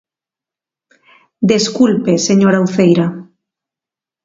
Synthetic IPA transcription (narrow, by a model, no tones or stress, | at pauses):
d̪eskulpeseɲoɾawθejɾa